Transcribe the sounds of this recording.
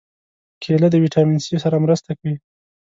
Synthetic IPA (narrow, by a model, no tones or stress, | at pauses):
kʰelad̪əwiʈɑminsejosaɾamɾəst̪akawi